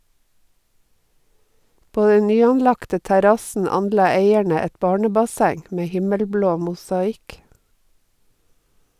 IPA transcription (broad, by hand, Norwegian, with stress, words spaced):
ˈpoː ˈdɛn ˈnyːɑnˌlɑktə tæˈɾɑsn̩ ˈɑnˌlɑː ˈeɪæɳə ˈɛt ˈbɑːɳəbɑˌsæŋ ˈmeː ˈhɪməlˌbloː mʊsɑˈɪk